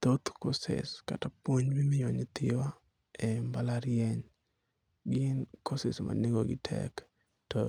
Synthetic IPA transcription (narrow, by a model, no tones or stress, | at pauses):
t̪ot̪kosḛska̰tapwoɲbimɪjɔɲɪt̪ɪwa | ɛmbalaɾjɛɲ | ɡɪnkʰosesma̰nɪŋɡoɡɪtʰɛ̰k | tɔ